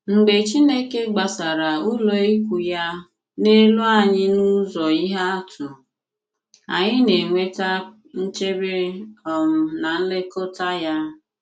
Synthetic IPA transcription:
ŋ͡m̩˨ɡ͡be˨t͡ʃi˦ne˦ke˦ɡ͡ba˨sa˨ɾa˨ʊ˦lo˨i˦kʷu˨ja˦ | ne˦lu˦a˦˨ɲɪ˦nu˦zɔ˨i˦ɦa˦a˦tʰʊ˨ | a̰˨ɲɪ˦ne˨ŋʷe˦ta˦ | n̩˦t͡ʃe˦bɪ˦ɔ˨m̩˨na˨n̩˦le˦ko˦ta˦ja˦

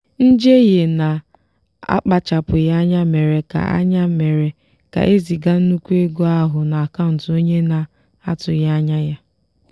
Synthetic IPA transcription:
n̩˦d͡ʒe˦je˨na˨ | a̰˦k͡pa˨t͡ʃa˨pʊ˨ja˦ɲa˦me˨ɾe˨ka̰˨a̰˦ɲa˦me˨ɾe˨ | ka̰˨ʔe˦zi˨ɡa˦n̩˦nu˦kʷu˦e˦ɡo˦a˦ɦʊ˨na˨a˨ka˦n̩˨tʊ˨o˦ɲe˦na˨ | a˦tʊ˨ja˦ɲa˦ja˦

